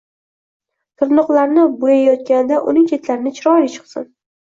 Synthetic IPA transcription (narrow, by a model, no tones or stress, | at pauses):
t̪ʰʊɾnʊqlˠaɾnɪbojajɒt̪̚kʲanɪd̪aʔʊnɪŋkʲʰe̞t̪laɾɪnɪt͡ʃʰɪɾɒɾɪt͡ʃʰɨ̥qsɪ̰n